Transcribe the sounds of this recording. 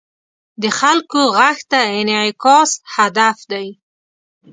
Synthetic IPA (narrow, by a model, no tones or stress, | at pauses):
d̪əxalkoɣaxt̪aɪnʕkɑshad̪afd̪aj